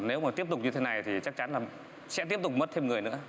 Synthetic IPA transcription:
ne˨˦wmaː˨˩t̪i˦˥əp̚t̪ʊ˨˩k͡p̚ɲɨ˧t̪ʰe˨˦na˨˩jt̪ʰi˨˩t͡ɕa˦˥k̚t͡ɕa˨˦nlaː˨˩ | sɛ̰˧˥t̪i˦˥əp̚t̪k͡p̚mə˦˥t̚t̪ʰe˧mŋɨ˨˩əjnɨ̰˧˥ə

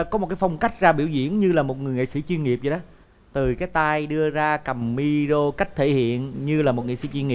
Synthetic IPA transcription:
kɔ˨˦m̚˨˩kaː˨˦fa˧wŋ͡mka˦˥jk̟̚zaː˧ɓi˧˩əwzḭ˧˥˨ənɲɨ˧laː˨˩mo˨˩t̚ŋɨ˨˩əjŋḭ˧˨sḭ˧˩t͡ɕwi˧ənŋi˨˩əp̚zə˧˩ɗə˨˦ | t̪ɨ˨˩kaː˨˦jt̪aː˧jɗɨ˧əzaː˧kə˨˩mːi˧zo˧ka˦˥jk̟̚t̪ʰe˧˩hḭ˧˨ənɲɨ˧laː˨˩mo˨˩t̚ŋḭ˧˨sḭ˧˩˦t͡ɕwi˧nŋi˨˩

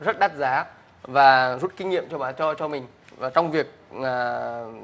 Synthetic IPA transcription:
zə˦˥t̚ɗa˦˥t̚zaː˨˦ | vaː˨˩zu˦˥t̚ki˧ŋ̟ŋḭ˧˨əmt͡ɕɔ˧ɓaː˨˦nt͡ɕɔ˧t͡ɕɔ˧mï˨˩ŋ̟ | vaː˨˩t͡ɕɔ˧wŋ͡mvi˨˩ək̚ʔaː˨˩

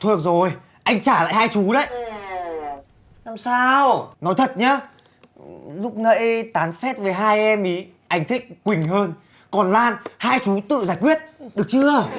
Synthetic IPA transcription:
t̪ʰu˨˩ək̚zo˨˩j | ʔa˧jŋ̟t͡ɕaː˧˩la̰ː˧˨jhaː˧jt͡ɕu˨˦ɗə̰˧˨j | naː˧msaː˧wnɔ˨˦jt̪ʰə˨˩t̚ɲaː˨˦ | lʊ˦˥k͡p̚nə̰˧˥jt̪aː˨˦nfɛ˦˥t̚ve˨˩jɦaː˧jʔɛ˧mʔi˨˦ | ʔa˧˩jŋ̟t̪ʰi˦˥k̟̚kwï˨˩ŋ̟ɦəː˧n | kɔ˨˩nlaː˧nhaː˧jt͡ɕu˨˦t̪ɨ̰˧˨zaː˧˩jkwi˦˥ət̚ɗɨ˨˩ək̚t͡ɕɨ˧ə

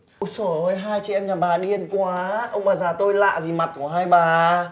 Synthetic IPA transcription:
sə˧˩əː˧˩jɦaː˧jt͡ɕḭ˧˨ʔɛ˧mɲaː˨˩ɓaː˨˩ɗi˧ənkwaː˨˦ʔə˧wŋ͡mɓaː˨˩zaː˨˩t̪o˧jla̰ː˧˨zi˨˩ma˨˩t̚ku˧˩əɦaː˧jɓaː˨˩

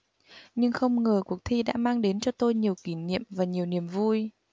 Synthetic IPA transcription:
ɲɨ˧ŋxə˧wŋ͡mŋəː˨˩ku˨˩ək̚t̪ʰi˧ɗa̰ː˧˥maː˧ŋɗe˨˦nt͡ɕɔ˧t̪o˧jɲi˨˩əwki˧˩nḭ˧˨əmvaː˨˩ɲi˨˩əwni˨˩əmvu˧j

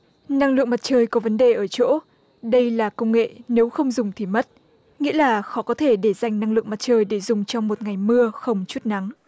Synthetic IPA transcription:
na˧ŋlɨ̰˧˨əŋma˨˩t̚t͡ɕəː˧jkɔ˨˦və˨˦nɗe˨˩ʔəː˧˩t͡ɕo̰˧˥ | ɗə˧jlaː˨˩kə˧wŋ͡mŋḛ˧˨ne˨˦wxə˧wŋ͡mzʊ˨˩ŋ͡mt̪ʰi˨˩mə˦˥t̚ | ŋḭ˧˥əlaː˨˩xɔ˨˦kɔ˨˦t̪ʰe˧˩ɗe˧˩za˨˩jŋ̟na˧ŋlɨ̰˧˨əma˨˩t̚t͡ɕəː˧jɗe˧˩zʊ˨˩ŋ͡mt͡ɕɔ˧wŋ͡mmo˨˩t̚ŋa˨˩jmɨ˧əxə˧wŋ͡mt͡ɕu˦˥t̚na˨˦ŋ

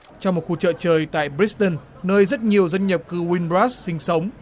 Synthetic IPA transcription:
t͡ɕɔ˧wŋ͡mmo˨˩t̚xu˧t͡ɕə̰ː˧˨t͡ɕəː˨˩jt̪a̰ː˧˨jbɾi˦˥t̪ə˧˩n | nəː˧jzə˦˥t̚ɲi˨˩əwzə˧nɲə˨˩p̚kɨ˧wi˧nbɹaː˦˥ssï˧ŋ̟sə˨˦wŋ͡m

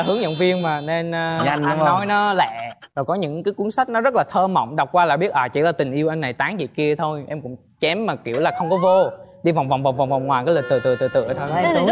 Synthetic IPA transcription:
hɨ˨˦əŋzə̰˧˨wŋ͡mvi˧əŋmaː˨˩ne˧nː˧ɲa˨˩ʔa˧nː˨ɔ˨˦jnɔ˨˦lɛ̰˧˨ | zo˨˩jkɔ˨˦ɲɨ̰˧˥ŋkaː˨˦jku˨˦əŋsa˦˥k̟̚nɔ˨˦zə˦˥t̚laː˨˩t̪ʰəː˧mə̰˧˨wŋ͡mɗa˨˩wk͡p̚kwaː˧laː˧˩ɓi˦˥ət̚ʔaː˨˩t͡ɕḭ˧˩əlaː˨˩t̪ï˨˩ŋ̟ʔi˧əwʔa˧jŋna˨˩jt̪aː˨˦ŋzḭ˧˨ki˧ət̪ʰo˧jʔɛ˧mkʊ̰˧˥ŋ͡m | t͡ɕɛ˨˦mːaː˨˩ki˧˩əwlaː˨˩xə˧wŋ͡mkɔ˨˦vo˧ɗi˧va˨˩wŋ͡mva˨˩ŋ͡mva˨˩ŋ͡mva˨˩ŋ͡mva˨˩ŋ͡mŋwaː˨˩jkaː˨˦jlə˨˩t̪ɨ̰˧˨t̪ɨ̰˧˨t̪ɨ˧˩t̪ɨ̰˧˨ət̪ʰo˧j

